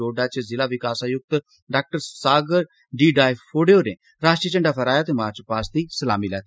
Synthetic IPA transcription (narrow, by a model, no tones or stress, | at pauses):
oːɖaːt͡ʃzɪlaːʋɪkaːsaːjʊk̚t̪ | ɖaːk̚ʈəɾsaːɡəɾ | ɖiːɖaːjpʰoːɖeoːnẽː | ɾaːsʈit͡ʃə̃ɳɖaːpʰəɾaːjaːt̪eːmaːɾt͡ʃpaːsd̪iːsəlaːmiːlɛːt̪ː